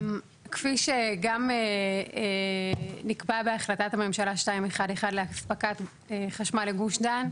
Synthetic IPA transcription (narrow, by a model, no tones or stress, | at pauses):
kfiʃeɡame | nikbabeaχlatatame̞mʃalaʃtaimeχade̞χadleaspakat | eχaʃmaleɡuʃdan